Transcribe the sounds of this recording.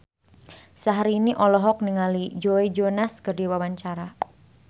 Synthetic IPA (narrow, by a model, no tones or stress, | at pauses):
saɦaɾiːniʔɔlɔɦɔk̚niŋalid͡ʒoed͡ʒonaskərdiwawaɲt͡ʃaɾa